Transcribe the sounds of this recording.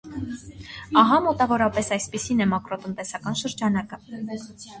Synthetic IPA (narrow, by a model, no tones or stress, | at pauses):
ɑɦɑmɔt̪ɑvɔɾɑpɛsɑjspisinɛmɑkɾɔt̪ənt̪ɛsɑkɑnʃəɾd͡ʒɑnɑkə